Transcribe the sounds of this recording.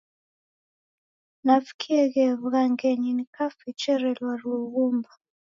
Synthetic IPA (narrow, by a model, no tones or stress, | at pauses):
nafi̥kʰiɛɣɛvuɣaŋɡɛɲinikafit͡ʃɛɾɛlwaluɣumba